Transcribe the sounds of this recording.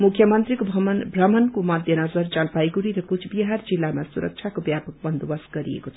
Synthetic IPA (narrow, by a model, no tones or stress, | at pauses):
mukʰːjʌmʌnt̪ɾikobʱʌmbʱrʌmʌnkomʌd̪ʱjʌnʌd͡zʌɾt͡ʃalpajɡuɾiɾʌkut͡sʰbiɦaɾd͡zilːamasuɾə̰k̚t͡ʃʰjakobjapʌk̚bʌnd̪ʱubʌsɡʌɾḭḛkot͡sʰʌ̥